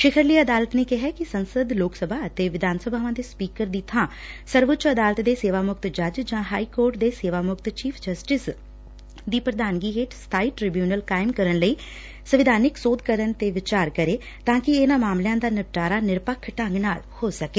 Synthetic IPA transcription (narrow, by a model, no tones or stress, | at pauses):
ʃɪkʰəɾliːəd̪aːlət̪neːkɪɦɛkisənsəd̪loːksəbʱaːət̪eːʋɪd̪ʱaːnsəbʱaːʋãːd̪eːspiːkəɾd̪iːt̪ʰãː | səɾʋʊtːt͡ʃəd̪aːlət̪d̪eːseːʋaːmʊkt̪d͡ʒəd͡ʒd͡ʒãːɦaːikoːɾʈd̪eːseːʋaːmʊkt̪t͡ʃiːpʰd͡ʒəsʈɪs | d̪iːpɾəd̪ʱaːnɡiɦeːʈst̪ʰaːiːʈɾɪbjuːnəlkaːɪmkəɾənləiː | səʋɪd̪ʱaːnɪksoːd̪kəɾənt̪eːʋɪt͡ʃaːɾkəɾeː | t̪ãːkɪeːnãːmaːmlɪjãːd̪aːnəʋʈaːɾaːnɪɾpəkʰːʈəŋɡnaːlhoːsəkeː